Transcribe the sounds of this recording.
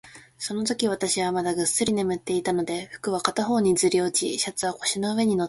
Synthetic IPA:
so̞no̞t̪o̞kʲiβat̪aɕiβamad̪aɡɯ̟sːɨɾʲinemɯ̟t̪ːe̞it̪ano̞d̪e̞ɸɯ̟̥kɯ̟βakat̪aɦo̞ːɲ̟id͡zɨɾʲiot͡ɕiɕat͡sɨako̞̥ɕino̞ɯ̟βe̞ɲ̟ino

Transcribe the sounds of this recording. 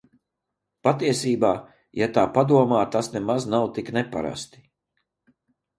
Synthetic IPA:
pat̪iɛsiːbaː | jat̪aːpad̪uɔmaːt̪asnɛmaznawt̪iknɛpa̰ɾa̰st̪i̥

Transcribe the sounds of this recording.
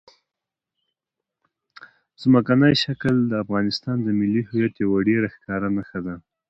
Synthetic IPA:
z̥makanajʃakld̪əafɣɑnɪst̪ɑnd̪əmɪlːihajat̪jawaɖeɾaxkɑɾanəxad̪a

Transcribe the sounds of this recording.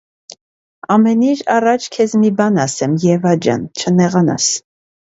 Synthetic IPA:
ɑmɛniɾɑrɑt͡ʃʰkʰɛzmibɑnɑsɛmjɛvɑd͡ʒɑ̰nt͡ʃʰənɛʁɑnɑ̰s

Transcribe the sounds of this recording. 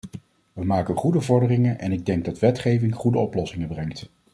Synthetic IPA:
ʋəmaːkənχudəvɔɹdərɪŋənʔɛ̰nɪɡ̚dɛŋɡ̚dɑtʋɛtχejvɪŋχudəɔplɔsɪŋəbrɛŋkt

